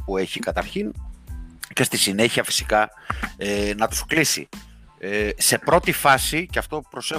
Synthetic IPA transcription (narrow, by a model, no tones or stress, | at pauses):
pue̞çikɐt̪ɐɾçin | ce̞st̪isine̞çiɐfi̥si̥kɐ | enɐt̪u̥sklisḭ | ese̞pɾo̞t̪ifɐsiceɐft̪o̞pɾo̞se